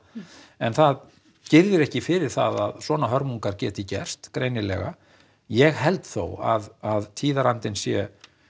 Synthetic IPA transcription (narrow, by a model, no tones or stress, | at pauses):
ɛnθað | cɪɾðɪɾɛhcɪfɪɾɪɾ̥θa̰ða̰ðsɔːnaɦœɾmuŋkaɾcɛːt̪ɪicɛr̥st̪kɾeːjnɪlɛ̰ɣa̰ | jɛɣɦɛlt̪θo̰wa̰ðaðt̪ʰiːðaɾant̪ɪnsjɛ